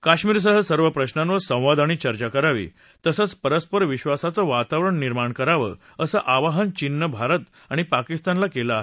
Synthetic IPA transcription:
kaɕmiːɾs̬əɦəsəɾʋəpɾəɕnãnʋəɾsə̃w̃ʋad̪aɽ̃it͡ɕəɾt͡ɕakəɾaʋḭː | t̪əsət͡spəɾəspəɾʋiɕʋasat͡səʋat̪aʋɾəɳniɾmaɳkəɾaʋə̰ː | əsəʔaʋaɦənt͡ɕinːəbʱaɾət̪ | aɽ̃ipakist̪anlakelaːɦe

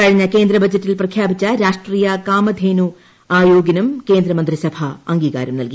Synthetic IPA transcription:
kɐɻiɲːɐke̞ːnd̪ɾɐbɐd͡ʑɐtːilprɐkʰjaːbit͡ɕːɐɾaːʂʈriːjɐkaːmɐd̪ʱeːnu | aːjoːɡɐnɐmke̞ːnd̪ɾɐmɐnd̪risɐbʱɐɐŋɡiːɣa̰ːɾɐmnɐlki

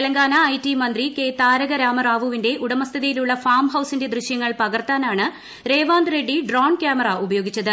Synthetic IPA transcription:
elɐŋɡaːnɐːjtːimɐnd̪rike̞ːt̪aːɾɐɣɐɾaːmɐraːʋuʋinde̞ʔuɽɐmɐst̪ʰiðijiluɭːɐfaːrmɦɐwsinde̞d̪rɨɕjɐŋːɐɭpɐɣɐrt̪aːnaːɳɨ | ɾe̞ːʋaːnd̪reɖːiɖroːɳkjaːmɐraʔubɐjo̞ːɡit͡ɕːɐðɨ

